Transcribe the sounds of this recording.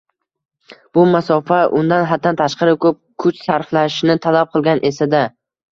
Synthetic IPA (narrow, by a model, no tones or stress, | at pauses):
b̥ʊmasɒfaʔʊnd̪anɦat̪ʰːant̪ʰaʃqɑɾɪkʰɵp̚kʰʊt͡ʃsaɾflaʃnɪt̪ʰalap̚qʰɨlˠɡʲanʔe̞sad̪a